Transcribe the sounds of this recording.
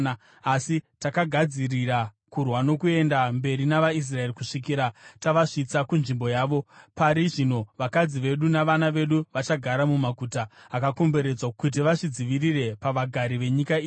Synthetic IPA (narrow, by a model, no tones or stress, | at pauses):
asitakaɡʱad͡zirira | kurwano̞kue̞ndambe̞ɾinaʋais̬rae̞rikuʂik̬iːɾataʋaʂit͡sakunʐimbo̞jaːʋo̞paɾiʐino̞ʋakad͡ziʋe̞ɗunaʋanaʋe̞ɗuʋat͡ʃaɡʱaɾamumakuːtaːkako̞mbe̞ɾe̞d͡zwakut̬iʋaʂid͡ziʋirire̞paʋaɡʱaɾiʋe̞ɲikaiː